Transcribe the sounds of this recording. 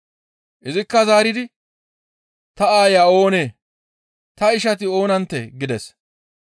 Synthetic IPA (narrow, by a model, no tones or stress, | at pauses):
ʔɪzɪkːɐzaːɾɪd̪ɪ | t̪ɐaːjaːo̞ːneː | t̪ɐɪʃɐt̪̬ɪo̞ːnɐnt̪ːḛɡɪd̪ɛs